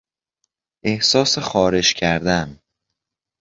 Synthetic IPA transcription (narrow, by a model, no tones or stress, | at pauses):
ʔe̞hsɒːsexɒːɾe̞d͡ʒcʰæɾd̪æm